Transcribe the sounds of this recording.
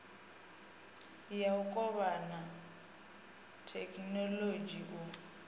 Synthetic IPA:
jaʊkʼɔβana | tʰɛkʼnɔlod͡ʒiʔɔ

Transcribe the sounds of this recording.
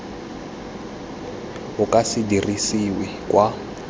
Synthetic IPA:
ɦukʼasidirisiwi | kʼwa

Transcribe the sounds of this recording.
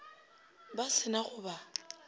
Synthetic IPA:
basɪnaɣʊba

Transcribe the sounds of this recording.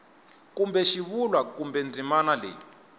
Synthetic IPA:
kumbɛʃiβulwakumbɛnd͡zʱimanalɛ̰

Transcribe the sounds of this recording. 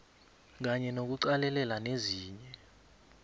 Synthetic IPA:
k̬aɲɛnok̬uǀalɛlɛlaneziːɲɛ

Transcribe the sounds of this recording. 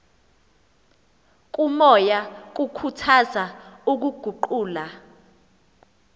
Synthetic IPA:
k̬ʼumɔjak̬ukʰutʰazauk̬uɡ̥ʱuǃuːla

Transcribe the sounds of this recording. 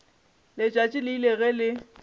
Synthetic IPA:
lɪt͡ʃʼwat͡ʃʼɪlɪileɣɛlɪ

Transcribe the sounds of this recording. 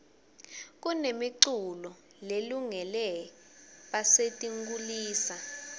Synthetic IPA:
k̬unemiǀulɔ | leluŋɛlɛ | ɓasetʼiŋɡuliːsa

